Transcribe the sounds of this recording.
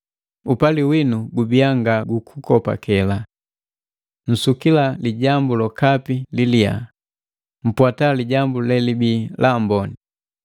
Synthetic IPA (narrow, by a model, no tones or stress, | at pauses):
upaliwinuɡubiaŋɡaɡukʰukɔpa̰kɛla | n̩sukilaliɟambulɔkapililia̰ | m̩pwataliɟambulɛlibiːlʔambɔni